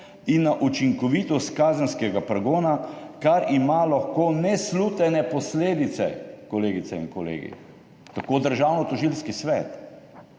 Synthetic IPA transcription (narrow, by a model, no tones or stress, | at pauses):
inːaʔut͡ʃiŋkɔʋit̪ɔst̪kaːzənskɛɡapɾɛɡoːnakaɾimalaxkoːnɛslut̪ɛnɛpɔsleːd̪it̪sɛ̰kɔleːɡit̪sɛiŋkɔlḛːɡḭ | t̪akoːd̪əɾʒawnɔt̪ɔʒilskisʋɛt̪